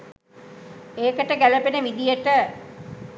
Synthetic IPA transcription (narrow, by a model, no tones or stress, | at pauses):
eːkəʈəɡæləpenəʋid̪ijəʈə